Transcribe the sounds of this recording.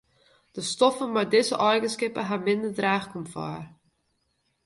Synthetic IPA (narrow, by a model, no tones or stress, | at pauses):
d̥əstɔfəmardɪzə̰ʔɔrɡəskɪpəɦamɪndərdræːχkɔmfa̰ːr